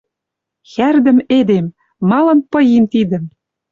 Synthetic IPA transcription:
xærd̪ə̆med̪emː | ɑlɤ̆npɤ̆jimt̪id̪ə̆m

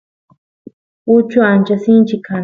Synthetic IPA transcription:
ʊt͡ʃʊant͡ʃasɪnt͡ʃikʰa

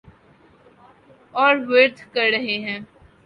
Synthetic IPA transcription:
ɔːɾʋeːɾt̪ʰkɐɾːɐɦeɦɛ̃ː

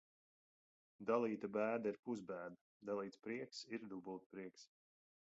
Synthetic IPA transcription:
d̪alˠiːt̪abæːd̪aiɾpuzbæːd̪a | d̪alˠiːt̪spɾiɛksiɾd̪ubult̪̚pɾiɛks

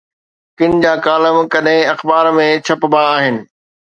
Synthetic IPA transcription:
kɪnd͡ʑaːkaːləmkɐɗɦɪ̃ɐxbaːɾmẽt͡ɕʰɐpbaːɦɪnɪ̆

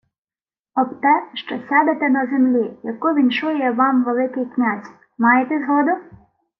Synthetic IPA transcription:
ɔbt̪ɛʃt͡ʃɔsʲɑd̪et̪ɛnɐzemlʲijɐkʊʋʲinʃʊjʊjɛʋɑmʋelˠɪkɪjknʲazʲ | mɑjet̪ɛzɦɔd̪ʊ

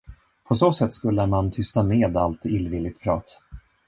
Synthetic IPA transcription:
pʰɔsoːsɛt̪ːskɵlːəɾmant̪ʰʏst̪aneːd̪alt̪ɪlːvɪlːɪɡ̚t̪pʰɾɑ̰ːt̪

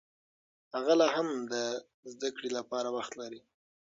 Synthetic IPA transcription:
haɣalɑɦamd̪ə | zd̪akɽilapɑɾawaxt̪laɾi

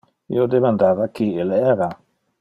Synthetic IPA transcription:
ḭod̪emãnd̪avakielɛɾa

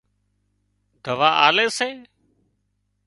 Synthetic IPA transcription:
d̪ʱəʋaːʔa̰ːleːseː

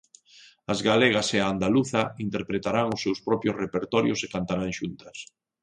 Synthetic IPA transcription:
ɐzɣaleɣ̞aseaːnd̪aluθɐint̪eɾpɾet̪aɾaŋʊsːewspɾɔpɾjʊsrepeɾt̪ɔɾjʊsekant̪aɾaŋʃunt̪ɐs

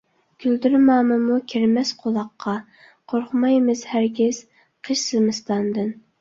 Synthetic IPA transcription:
kʲʰyld̪yɾmɑːmɨmukʲʰiɾmɛsqʰolˠɑqʰːɑ | qʰoɾχʊmɑjmɨzhæɾɡʲɪz̥ | qʰəʃsɨmɨst̪ɑnd̪ɨn

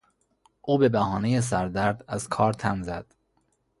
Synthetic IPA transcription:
ʔuːbe̞bæhɒːne̞jes̬æɾd̪æɾd̪æz̥kʰɒːɾt̪ʰæmzæd̪̥

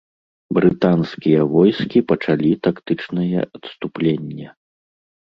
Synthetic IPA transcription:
bɾɨt̪anskʲijɐvɔjskʲipɐt͡ʂalʲit̪akt̪ɨt͡ʂnɐjɛ̰ʔɐt̪st̪uplʲenʲːɐ

